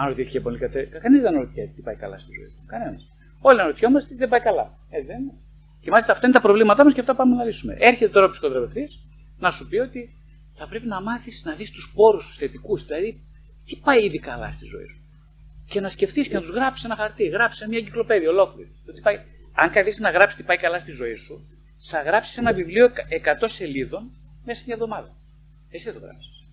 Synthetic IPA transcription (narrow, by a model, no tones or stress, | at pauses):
ɐnɾot̪iθicepo̞likɐt̪ekɐkɐnizðenɐoɾoθiɐt̪ipɐjkɐ̰lɐ̰st̪izo̰ḭsu̥kɐne̞nɐs | o̞linɐɾot̪ço̞mɐst̪eðebɐjkɐlɐ̰ | et͡siðenine | cemɐlist̪ɐːft̪ɐinet̪ɐpɾovlimɐt̪ɐmɐsceɐft̪ɐpɐmenɐlisume̞̰ʔe̞ɾçet̪et̪oɾɐpi̥skotd̪ɾɐpe̞fθis | nɐsupio̞t̪i | θɐpɾe̞pinɐmɐθisnɐðist̪uspo̞ɾust̪u̥sθe̞t̪ikuzðilɐði | t̪ipɐjiðikɐlɐ̰st̪izo̞̰ḭsu̥ | ce̞nɐsce̞fθiscenɐt̪uzɣɾɐpsi̥se̞nɐxɐɾt̪iɣɾɐpsisemɲɐɟiklo̞pe̞ðiɐo̞lo̞kliɾit̪ot̪ipɐj | ɐŋkɐθisnɐɣɾɐpsi̥st̪ipɐjkɐlɐst̪izo̞isu | θɐɣɾɐpsi̥se̞nɐvivlioke̞kɐt̪o̞se̞liðo̞n | mesɐsmɲɐvðo̞mɐðɐ | esi̥θɐt̪oɣɾɐ̰psi̥s